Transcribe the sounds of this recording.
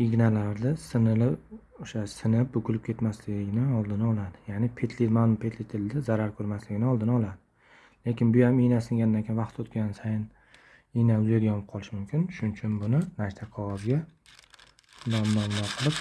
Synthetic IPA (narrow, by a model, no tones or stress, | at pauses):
iɡʲnalaɾd̪ɪsɪnɪlɪp | oʃasɪnɪp̚bʊkʰʊlɪp̚kʲʰe̞t̪maslɪɡʲɪnɪɒlˠd̪ɪnɪɒlˠad̪ɪjanɪpʰe̞t̪ʰlimanʊmpʰe̞t̪ʰlɪt̪ʰɪld̪ɪzaɾaɾkʰɵɾmaslɪɡʲɪnɪɒlˠd̪ɪnɒlˠad̪ɪ | le̞kʲɪnbʊjamijnasɪŋɡʲand̪ankʲʰejnvɑqt̪ot̪kʲansajɪn | ijnaʊzed̪ʲajɒmɪp̚qʰɒlˠɪʃɪmʊmkʲʰɪnʃʊnt͡ʃʰʊnbʊnɪnat̪ʰaqʰɒʁɒzɡʲa | namːamlaqʰɨlˠɪp̚